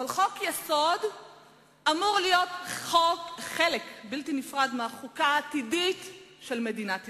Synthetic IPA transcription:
avalχo̞kjesod | ʔamuʁlijo̞t̪χokχelekbiltinifʁad̪meaχukaːtiditʃelme̞dinat̪

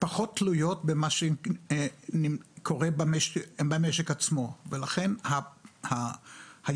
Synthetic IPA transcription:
paχo̞tːlujot̪bemaʃe | nikʰoʁebameʃbameʃekat͡smo̞velaχe̞nhahaha

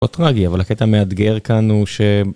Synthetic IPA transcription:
ot̪ʁaɡiavalaket̪amead̪ɡeʁkanhuʃe

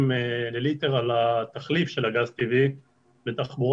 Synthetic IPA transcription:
melelit̪eʁalat̪aχlifʃe̞laɡazt̪ivi | bet̪aχbuʁ

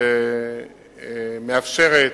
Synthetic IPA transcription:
e | meafʃe̞ʁe

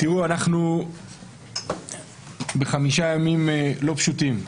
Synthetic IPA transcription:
t̪iʁuanaχnu | be̞χamiʃajamimlo̞pʃutim

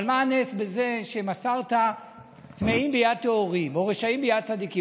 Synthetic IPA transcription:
lmanesbeze̞ʃe̞masaʁt̪a | t̪meimbejad̪̚t̪eoʁimo̞ʁeʃaimbejad̪̚t͡sad̪iki

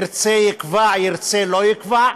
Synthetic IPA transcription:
ɾt͡sɛjɪkvajiʁt͡sɛlojɪkva

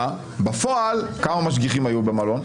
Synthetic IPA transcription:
bafoʔalkamamaʃ̬ɡiχimajubemalo̞n

